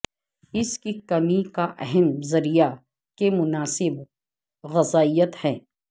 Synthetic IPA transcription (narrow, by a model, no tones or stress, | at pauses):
ɪskikɐmikaʔɛɦɛmzɐɾija | kemʊnaːsɪb | ɣɐzaːijət̪hɛ̃ː